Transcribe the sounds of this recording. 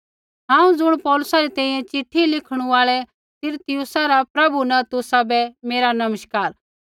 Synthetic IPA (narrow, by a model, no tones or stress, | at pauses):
ɦãːũd͡zʊɽ̃pɔːlʊsaɾɛt̪ɛ̃ːĩjɛ̃t͡ʃɪʈʰːilɪkʰɽ̃ũaːɭɛ | t̪ɪɾt̪ɪjʊsaɾapɾɐbunɐ̃t̪ʊsabɛmeːɾanɐməʃkaːɾ